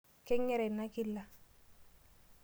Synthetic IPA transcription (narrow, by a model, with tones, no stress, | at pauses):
kɪ˦ŋɛ˦ɾɛ˨na˦kɪ˦lːa˨